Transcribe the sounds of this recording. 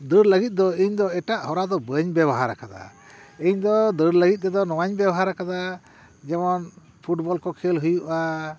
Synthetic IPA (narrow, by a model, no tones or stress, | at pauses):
d̪əɾləɡit̪̚ˀd̪ɔiɲd̪ɔɛʈaʔhɔɾad̪ɔbəɲbɛβɔɦaɾakad̪a̰ | iɲd̪ɔd̪əɾləɡit̪̚ˀt̪ɛd̪ɔnɔwaɲbɛbɔɦaɾakad̪a | d͡ʒɛmɔn | pʰuʈbɔlkɔkʰɛlɦujuʔa